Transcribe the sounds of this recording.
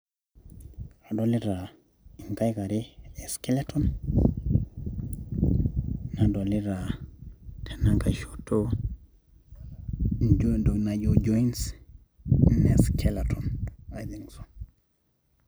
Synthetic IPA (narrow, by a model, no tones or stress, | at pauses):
adoliɾa | iŋkajkaɾeeskelaton | nadoliɾa | tʰenaŋkaʃotːo | d͡ʒdonaɟod͡ʒoins | neskʰelatonajd̪iŋso̥